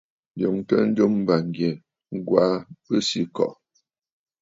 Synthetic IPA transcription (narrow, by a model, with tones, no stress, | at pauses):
n˦do˨ŋtə˦n̩˦d͡ʒo˦m˦ba˨ŋ˨ɡje˨ | ŋ̩˦ɡwa˨˦pə˦si˦kɔ̰˨ʔ